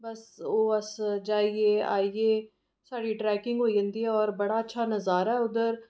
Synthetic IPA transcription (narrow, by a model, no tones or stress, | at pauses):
bɐsoːɐsd͡ʒaːiea̰ːieː | saːɽiʈɾɛːkɪ̃ŋɡɦoːiə̃nd̪iɦɛɔːɾbɐɽaɐtːʃʰanɐzaːɾɦɛʊd̪əɾ